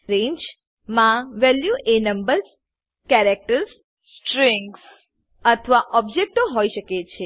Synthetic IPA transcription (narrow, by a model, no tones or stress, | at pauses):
ɾẽɲd͡ʒ | mãʋɛljuʔenəmbəɾz | kɛɾek̚ʈəɾs | sʈɾĩŋɡs | ət̪ʰəʋaʔɔb̚d͡ʒek̚ʈoɦoiʃəket͡ʃʰe